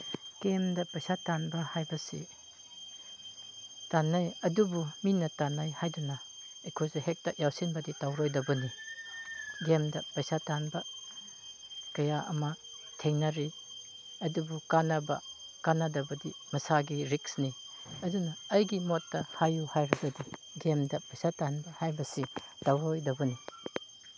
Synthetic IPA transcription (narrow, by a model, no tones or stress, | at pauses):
ɡ̥emdɐpɐjsatanbɐhajbɐsḭ | tanajɐdubuminɐtanajhajdunɐ | ekʰojsuhek̚tɐjawsinbɐditawɾojdɐbɐni | ɡemdɐpɐjsatanbɐ | kɐjaʔɐ̰mɐ | tʰeŋnɐɾi | ɐdubukanɐbɐkanadɐbɐdimɐsaɡiɾiksni | ɐdunɐːjɡimotːɐhajuhajɾɐbɐdi | ɡemdɐpɐjsatanbɐhajbɐsitawɾojdɐbɐni